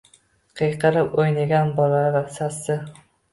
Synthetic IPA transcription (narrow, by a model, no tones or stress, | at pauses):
qʰɨjqʰɨɾɪpojnaɡʲanbɒlaɾasasɪ